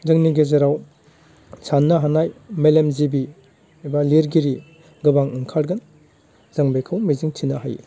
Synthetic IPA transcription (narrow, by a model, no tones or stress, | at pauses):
zɯŋniɡezaɾaw | sʰanːɐɦanajmelemzibi | baliɾɡiɾi | ɡɯbaŋɯŋkʰaɾɡɐn | z̥aŋbekʰawmiziŋtʰinɐɦa̰j